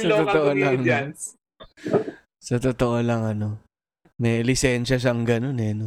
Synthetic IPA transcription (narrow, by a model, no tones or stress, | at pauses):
sɐt̪ʊt̪oʔolɐŋno | sɐt̪ʊt̪oʔolɐŋɐno | mɛjlɪsɛnʃɐʃ̬ɐŋɡɐnonɛno